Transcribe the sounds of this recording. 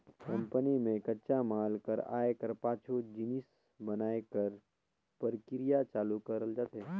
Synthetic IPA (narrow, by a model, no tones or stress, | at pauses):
kɐ̃mpənimẽkɐtːt͡ʃamaːlkəɾa̰ːekəɾpaːt͡ʃʰod͡ʒɪnɪs | bɐnaːekəɾ | pəɾkɪɾijat͡ʃaːlukəɾəld͡ʒaːt̪ɦeː